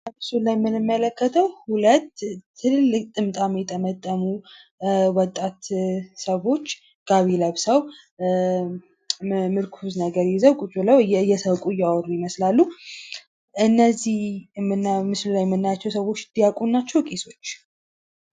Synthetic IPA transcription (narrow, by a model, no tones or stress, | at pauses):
əmɨsulajmɨnɨmːələkːət̪ʰəwhulət̪ʰːɨllɨkʼt̪ʼɨmt̪ʼamjɛt̪ʰʼəmət̪ʼːəmu | wɔt̪ʼːat̪səβo̞t͡ʃː | ɡ̥aβiləβsəw | mɨɾkʰuznəɡəɾjizəwkʼut͡ʃʼuləwjjɛsəβkʼujawɔɾujɪməslalːu | ʔɨnːəzihɨnmɨslulajmːɨnːajat͡ʃːɛwsəwo̞t͡ʃːɨd̪̥ijakʼunːat͡ʃːɛwkʼiso̞t͡ʃː